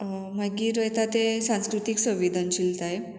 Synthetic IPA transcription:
məɡiːɾəjt̪at̪esãnskɾut̪iːksə̃ʋid̪ʱant͡ɕilt̪ae

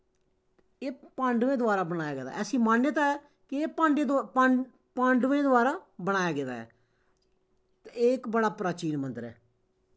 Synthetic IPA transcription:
eːpãɳɖʋẽːd̪ʊaːɾaːbəɽ̃aːjaːɡɛːd̪a̰ːʔɛːsĩːmaːnːet̪aɛː | kɪeːpãːɳɖed̪pa | pãɳɖʋẽːd̪ʊaːɾaːbəɽ̃aːjaːɡeːd̪a̰ːɛ̰ː | t̪eːkbəɽaːpɾaːt͡ʃiːnmə̃nt̪əɾɛ̰ː

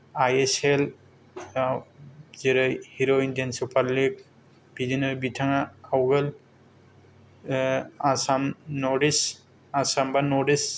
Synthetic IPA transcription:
ajesel | awzeɾɯjhiɾoindensupʰaɾlik̚ | b̥idinaɾbitʰaŋaawɡəl | asamnɔɾis | asambanɔdis

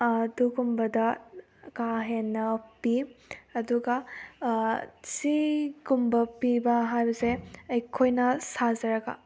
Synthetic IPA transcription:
duɡumbɐdɐ | kaɦenːɐpiɐduɡɐ | siɡumbɐpibɐɦajbɐseɐjkʰojnɐsazɐɾɐɡa̰

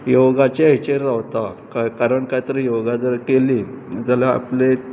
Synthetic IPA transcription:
joɡat͡ɕeeit͡ɕeɾːaʋt̪akkaɾəɳkat̪əɾijoɡad͡zəɾkeli | d͡zəlaa̰ple

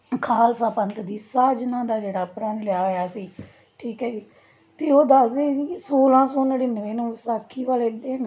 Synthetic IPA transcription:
kʰaːlsaːpənt̪d̪iːsaːd͡ʒnãːd̪aːd͡ʒeːɽaːpɾənlɪjaːjaːsiː | ʈʰiːkɦɛːd͡ʒiː | t̪eːoːd̪əsd̪eːisoːlãːsoːnaɽiːnəʋeːnõːsaːkʰːiːʋaːleːd̪eːn

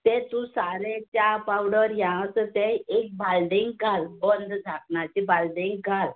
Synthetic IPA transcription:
t̪et̪ũsaɾet͡ɕapawɽəɾjãəsət̪eek̚balɖiŋɡɡalbənd̪d͡zʱakɳat͡ɕibalɖiŋɡɡʱal

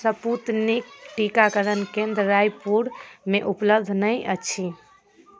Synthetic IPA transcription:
səput̪nikʈikakəɾənkẽnd̪ɾəɾajpuɽmeʔupləbd̪ʱnəjʔət͡ʃʰi

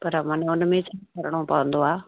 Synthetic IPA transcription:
pɐɾmɐnʊnmẽt͡ʃʰakɐɾəɽ̃opɐʋə̃nd̪oaː

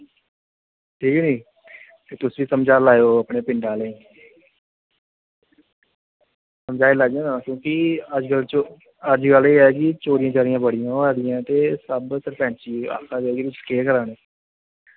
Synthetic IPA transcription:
ʈʰiːkniː | t̪eːt̪ʊsʋiːsəmd͡ʒaːlaːjoːəpɳeːpɪ̃ɳɖaːləĩː | səmd͡ʒaːilaːd͡ʒãːnãːkjõːkɪəd͡ʒkəlt͡ʃo | əd͡ʒɡəleːɛːkɪt͡ʃoːɾɪjãːt͡ʃaːɾijãːbəɽɪjãːoɛːd̪ɪjãːt̪eːsəbsəɾpɛ̃ːɳt͡ʃiːa̰ːkʰãːd͡ʒeːɡiɪt͡ʃkeːkəɾaːneː

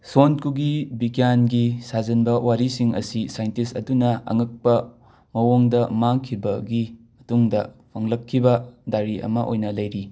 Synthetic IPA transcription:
sonkuɡibikjanɡisazɐnbɐwaɾisiŋɐ̰sisajntisɐ̰dunɐɐ̰ŋɐk̚pɐ | mɐwoŋdɐmaŋkʰibɐɡimɐtuŋdɐpʰɐŋlɐkʰːibɐdaɾiɐ̰mɐʔojnɐlɐjɾi

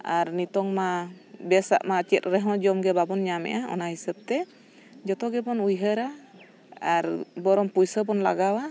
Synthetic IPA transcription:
a̰ɾnit̪ɔŋmabɛsa̰ʔmat͡ʃɛt̪̚ɾɛɦɔ̃d͡ʒɔmɡɛbabɔnɲamɛ̰ʔaʔɔ̰naɦisəb̚t̪ɛ | d͡ʒɔt̪ɔɡɛbɔnujɦəɾa | aɾbɔɾɔmpujsəbɔnla̰ɡawa

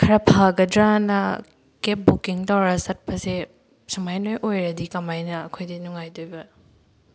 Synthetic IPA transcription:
kʰɐɾɐpʰaɡɐdɾanɐ | kep̚bukiŋtawɾɐsɐt̚pɐse | sumajnojʔojɾɐdikɐmajnɐːkʰojdinuŋajdojbɐ

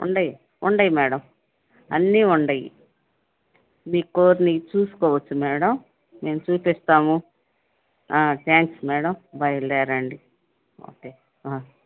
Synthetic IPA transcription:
ṵɳɖɐji | uɳɖɐjmɛːɽɐm | ɐ̰nːiːuɳɖɐjḭ | miːkoːɾnit͡ʃuːsu̥kɔːʋɐt͡ʃːumɛːɽɐm | meːmut͡ʃuːpist̪aːmu | aːʈjaːŋksmɛːɽɐmbʱɐjɐlɛːɾɐɳɖi | o̰ːkeː | aː

